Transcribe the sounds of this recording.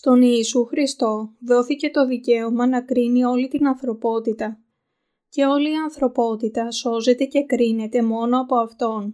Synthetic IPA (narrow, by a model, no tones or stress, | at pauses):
st̪o̞niːsuxɾist̪o̞ðo̞θice̞t̪o̞ðice̞omɐnɐkɾinio̞lit̪inɐnθɾo̞po̞t̪it̪ɐ | ce̞o̞liːɐnθɾo̞po̞t̪it̪ɐso̞ze̞t̪e̞ce̞kɾine̞t̪e̞mo̞no̞ɐpo̞ɐft̪o̞n